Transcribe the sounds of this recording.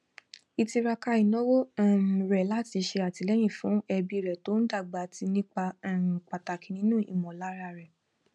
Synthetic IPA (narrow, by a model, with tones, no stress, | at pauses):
i˧ti˧ɾa˧ka˧i˨nɔ̃˦wo˦˨m˨ɾɛ˨la˦ti˧ʃe˧a˨ti˨˧lɛ˦j̃ĩ˦˨fũ˨˦ɛ˧bi˧˨ɾɛ˨to˦n̩˦da˦˨ɡ͡ba˨˦ti˧nĩ˦k͡pa˧˨k͡pa˨ta˨kĩ˨nĩ˦nũ˦˨ḭ˨mɔ̃˨la˦ɾa˧ɾɛ˨